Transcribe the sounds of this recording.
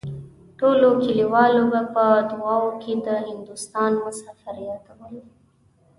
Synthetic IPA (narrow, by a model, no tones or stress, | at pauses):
ʈolokiliwɑlobapəd̪ʊɑwokʰed̪əhɪnd̪ʊst̪ɑnmʊsɑfaɾijat̪awəl